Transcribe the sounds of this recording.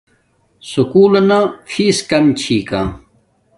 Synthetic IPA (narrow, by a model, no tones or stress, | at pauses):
sukuːlɐnafʰiːskɐmt͡ɕʰiːkã̰ː